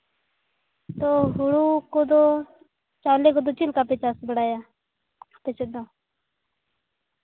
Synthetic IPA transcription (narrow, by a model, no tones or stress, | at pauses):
t̪oːɦʊɽuːkod̪oː | t͡ʃaːlekod̪ot͡ʃilkaːpet͡ʃaːsbəɽaːja | pet͡ʃed̪oː